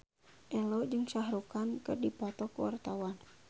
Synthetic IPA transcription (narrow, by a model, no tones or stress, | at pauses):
ʔɛlɔd͡ʒɨŋsaɦɾukankɨrdipɔt̪ɔkuwa̰rt̪awan